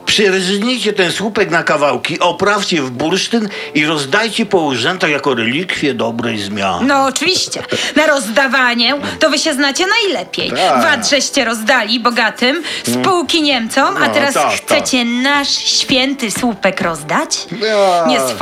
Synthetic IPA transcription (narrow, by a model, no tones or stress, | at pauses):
pʂɛɾzɲijt͡ɕɛt̪ɛnswupɛknakavawkʲiʔɔpɾaft͡ɕɛvbuɾʂt̪ɘn | iɾɔzd̪ajt͡ɕɛpɔuʐɛnt̪aɣjakɔɾɛlʲikfʲjɛd̪ɔbɾɛjzmʲja̰nnɔːt͡ʂɨvʲiɕt͡ɕɛnaɾɔzd̪avaɲɛt̪ɔvɘɕɛznat͡ɕɛnajlɛpʲjɛ̰jvazʐɛɕt͡ɕɛɾɔzd̪alʲibɔɡat̪ɘmspuwkʲiɲɛmt̪sɔmat̪ɛɾasxt̪sɛt͡ɕɛnaʂɕfʲjɛnt̪ɘswupɛkɾɔzd̪at͡ɕɲɛs